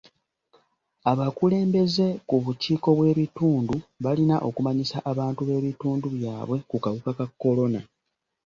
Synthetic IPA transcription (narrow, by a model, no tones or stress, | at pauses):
aβakule̞ːmbe̞ze̞kuβuciːko̞βwe̞ːβituːnduβalinaʔo̞kumaɲisaʔaβaːntuβe̞ːβituːnduβjaːβwe̞kukaβukakakːo̞lo̞na